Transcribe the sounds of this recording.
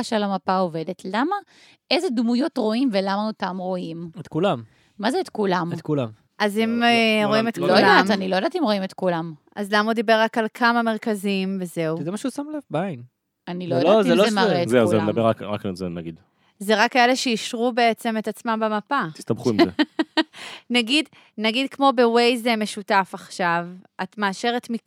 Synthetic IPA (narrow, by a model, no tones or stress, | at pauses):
aʃealamapaove̞detlama | e̞zedmujo̞tʁo̞imve̞lamaotamʁo̞imet̪kulamː | azeːt̪kulamet̪kulam | ʔazimeʁoimet̪kojlamanilojd̪at̪imʁo̞imet̪kulam | azlamaud̪ibeʁːakalkʰamameʁkazimveze̞uzemaʃeusamalavbain | anilojjdloazeloaetzeed̪ɐmbeʁakʁakzenaɡid̪ | zeʁakːaele̞ʃeiʃʁubeet͡se̞me̞t̪at͡smambemapat̪i̥st̪ɐbχuimze | naɡid̪ | naɡid̪kmo̞be̞wejzemeʃutafaχʃavat̪maːʃe̞ʁet̪mi